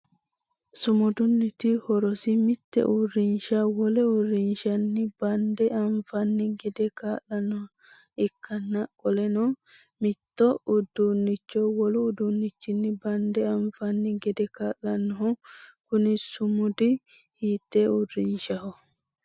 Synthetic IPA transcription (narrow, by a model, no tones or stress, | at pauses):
sʊmʊd̪ʊnːɪt̪ɪhɔɾɔsɪmɪt̪ːɛ̰ʔʊrːɪnʃawɔlɛʊrːɪnʃɐnːɪbɐnd̪ɛɐɱfɐnːɪɡɛd̪ɛkaːlːɐnːɔh | ɪkːɐnːɐkʼːɔlɛnɔ | mɪt̪ːɔʊd̪unːɪt͡ʃːɔwɔlʊːd̪unːɪt͡ʃːɪnːɪbɐnd̪ɛɐɱfɐnːɪɡɛd̪ɛkaːʔɐnːɔɦɔkʊnɪsʊmʊd̪ɪ | hiːt̪ːɛʊrːɪnʃɐhɔ